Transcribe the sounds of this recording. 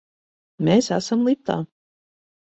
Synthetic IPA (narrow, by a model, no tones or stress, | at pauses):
meːsæ̰samlˠip̚t̪a̰ː